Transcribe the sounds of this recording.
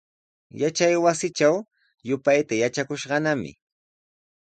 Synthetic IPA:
jat͡ʃajwasɪt͡ʃaw | jʊpajt̪ajat͡ʃakʊʃɢɑnamɪ̰

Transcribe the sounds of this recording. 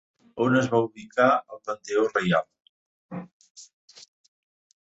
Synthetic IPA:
onəzβauβikʰaəlˠpənt̪eorejalˠ

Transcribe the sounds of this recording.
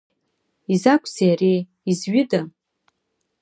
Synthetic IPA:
izakʷʼʰzejaɾej | izɥɪda

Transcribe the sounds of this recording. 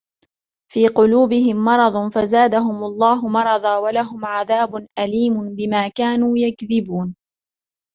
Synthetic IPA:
fiːqʊluːbɪhɪmːɑɾˤɑd̪ˤnfazaːd̪aɦʊmlˤːɑːɦʊmɑɾˤɑd̪ˤɑːwalaɦʊmʕaðaːbʊnʔaliːmʊnbɪmaːkaːnuːjakðɪbuːn

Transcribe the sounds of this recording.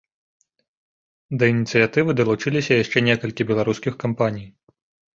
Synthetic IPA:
d̪ɐinʲit̪sɨjat̪ɨvɨd̪ɐlˠut͡ʂɨlʲisʲɐjaʂt͡ʂɛnʲɛkɐlʲkʲibʲɛlˠaɾuskʲixkampanʲij

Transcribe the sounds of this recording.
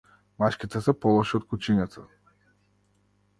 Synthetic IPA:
maʃkʲit̪ɛsɛpɔlˠɔʃiot̪̚kut͡ʃiɲat̪ʰa

